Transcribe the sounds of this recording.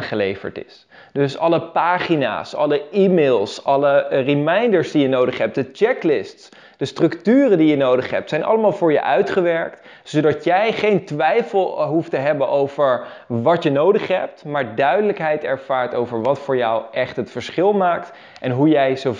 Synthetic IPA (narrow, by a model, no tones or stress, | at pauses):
χəlejvə̰ɹtɪ̰s | dɵsɑləpaːχina̰ːsɑ̰ləimeːlˠsʔɑlərimɛjndəɹszdijənowdəχɦɛp̚t̚dət͡ʃɛklɪsts | d̥əstrɵktyːrəndijənowdəχɦɛ̰p̚tsɛjnʔɑ̰ləmaːlˠvʊːɹjə̰ʔœɥtχəʋɛɹkt | sowdɑtjɛjχejntʋɛjfəlˠɦuftəɦɛbənʔowv̥əɹ | ʋɑtjənowdəχɦɛ̰p̚tmaːɹdœɥdələkɦɛjtɛɹv̥aːɹtowvəɹʋɑtfʊːɹjɑwʔɛχtɦətfəɹsχɪlˠmaːkt | ʔɛnɦujɛjzo